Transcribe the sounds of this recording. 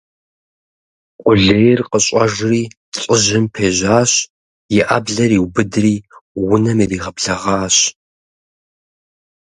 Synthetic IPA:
qʷʼʊɮeːjrqəɕʼɐʐriː | t͡sʼɪʒɪmpʰeːʑaːɕ | jɪʔabɮɐɾiːwbɨdriːwʊnɐmiriːʁɐbɮɐʁɑːɕ

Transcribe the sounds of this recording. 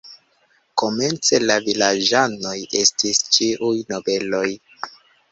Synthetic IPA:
ko̞me̞nt͡se̞lavilad͡ʒano̞je̞stist͡ʃiʔujno̞be̞lo̞j

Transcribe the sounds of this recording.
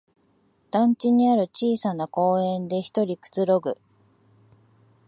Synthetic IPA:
d̪̥ãɲ̟t͡ɕiɲ̟iaɾɯ̟t͡ɕiːsanako̞ːẽ̞nd̪e̞çi̥t̪o̞ɾʲikɯ̟̥t͡sɨɾo̞ɡɯ̟

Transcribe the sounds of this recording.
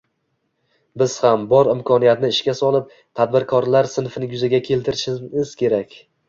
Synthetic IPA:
bɪz̥hambɒɾɪmkʰɒnijat̪nɪɪʃkʲasɒlˠɪp̚ | t̪ʰad̪̚bɪɾkʰɒɾlaɾsɪnfɪnɪjʊzaɡʲakʲʰe̞lˠt̪ɪɾɪʃɪɪz̥kʲʰe̞ɾakʲ

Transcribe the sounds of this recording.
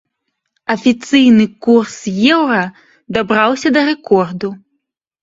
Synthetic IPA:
ɐfʲit̪sɨjnɨkursjɛwɾɐ | d̪abɾawsʲɐd̪ɐɾɛkɔrd̪u

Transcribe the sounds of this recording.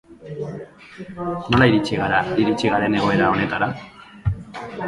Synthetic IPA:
no̞laiɾit͡ʃiɣaɾaiɾit͡ʃiɣaɾe̞ne̞ɣo̞e̞ɾao̞ne̞t̪aɾa

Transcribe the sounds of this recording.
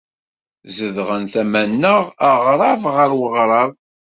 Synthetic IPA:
zəðʁənθæmænːəʁəʁɾˤɑvʁəɾwəʁɾˤɑv

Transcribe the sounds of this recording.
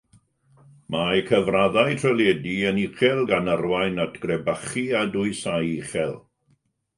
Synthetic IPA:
majkʰəvraðajtʰrəlˠɛdiəniχɛlˠɡanərwajnatʰɡ̥rɛbaχiadʊɨsajiχɛlˠ

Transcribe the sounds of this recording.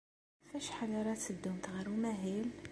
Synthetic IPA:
fæʃħalɑɾˤɑt̪əd̪ːumt̪ɣəɾumæɦil

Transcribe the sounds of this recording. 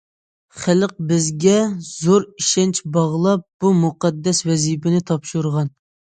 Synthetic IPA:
χæləq̚bɪzɡʲɛzoɾiʃɛnt͡ʃbɑʁlˠɑp̚b̥umuqɛd̪ːɛswɛzipɪnɪt̪ʰɑpʃuɾʁɑn

